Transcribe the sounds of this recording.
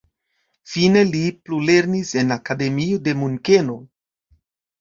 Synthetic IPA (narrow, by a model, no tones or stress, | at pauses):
fine̞liplule̞ɾnise̞nakade̞miode̞muŋke̞no̞